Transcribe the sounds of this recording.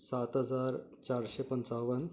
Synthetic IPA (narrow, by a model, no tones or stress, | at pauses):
sat̪ɦəd͡zaɾt͡ɕaɾɕepənt͡saʋən